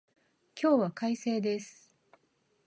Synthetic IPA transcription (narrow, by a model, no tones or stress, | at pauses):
kʲo̞ːβakaise̞ːd̪e̞sɨ̥